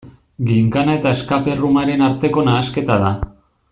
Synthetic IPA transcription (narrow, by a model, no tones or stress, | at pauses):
ɡiŋkanae̞t̪ae̞skape̞rumaɾe̞naɾt̪e̞ko̞naːske̞t̪aða